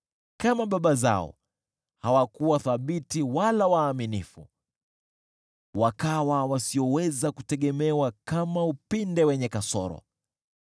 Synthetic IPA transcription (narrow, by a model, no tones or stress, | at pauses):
kamaɓaɓaza̰ɔ̰ | hawakuwaθaɓitiwalawaːminḭfṵ | wakawawasiɔwɛzakutɛɠɛmɛwakamaupindɛwɛɲɛkasɔ̰ɾɔ̰